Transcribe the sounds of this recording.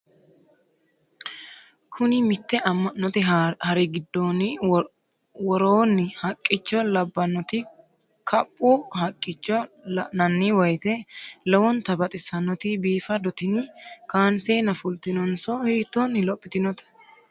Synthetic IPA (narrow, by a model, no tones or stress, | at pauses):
kʰʊnɪmɪt̪ːɛʔɐmːɐnːɔt̪ɪhɐɾɪɡɪd̪ːoːnɪ | wɔɾoːnːɪhɐkʼːɪt͡ʃːɔlɐbːɐnːɔt̪ɪ | kʰɐpʼːuːhɐkʼːɪt͡ʃːɔnɐnːiwɔjt̪ɛlɔwɔnt̪ɐbɐt̪ʼɪsɐnɔt̪ɪbiːfɐd̪ɔt̪ɪnɪkaːnseːnɐfʊlt̪ɪnɔnsɔhiːt̪ːɔnːɪlɔpʼːɪt̪ɪnɔt̪ɐ̥